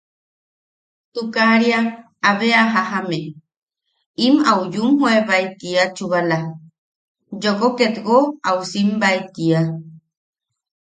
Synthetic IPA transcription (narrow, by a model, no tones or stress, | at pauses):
t̪ukaɾia | aβeaɦaɦame | imaujumɦueβajt̪iat͡ʃuβala | d͡ʒokoket̪ɡoawsimbait̪ia